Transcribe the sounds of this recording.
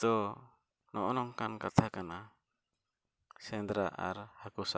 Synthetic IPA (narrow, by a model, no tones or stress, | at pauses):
t̪ɔ | nʔɔʔɔnɔŋkankat̪ʰakana | sɛnd̪ɾa̰ʔa̰ɾhakusa